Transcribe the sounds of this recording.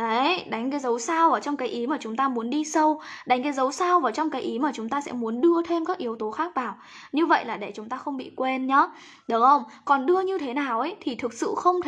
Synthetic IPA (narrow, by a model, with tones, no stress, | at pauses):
ə˨˦jɗa˨˦jŋ̟k̬aː˨˦jzə˨˦wsaː˧wʔəː˨˩t͡ɕɔ˧wŋ͡mkaː˨˦jʔi˨˦maː˨˩t͡ɕʊ˨˦ŋ͡mt̪aː˧mu˨˦ənɗi˧sə˧wɗa˨˦ŋ̟kaː˨˦jzə˨˦wsaː˧wvaː˨˩wt͡ɕɔ˧wŋ͡mkaː˨˦jʔi˨˦maː˨˩t͡ɕʊ˨˦ŋ͡mt̪aː˧sɛ̰˧˥mu˨˦ənɗɨ˧ət̪ʰe˧mkaː˦˥k̚ʔi˨˩˦əwt̪o˨˦xaː˦˥k̚vaː˨˩w | ɲɨ˧və̰˧˨jlaː˨˩ɗe˧˩t͡ɕʊ˨˦ŋ͡mt̪aː˧xə˧wŋ͡mɓḭ˧˨kwe˧nɲɔ˨˦ | ɗʊ˨˦ŋ͡mxə˧wŋ͡mkɔ˨˩nɗɨ˧əɲɨ˧t̪ʰe˨˦naː˨˩wʔə˨˦jt̪ʰi˨˩t̪ʰɨ˨˩k̚sɨ̰˧˨xə˧wŋ͡mt̪ʰ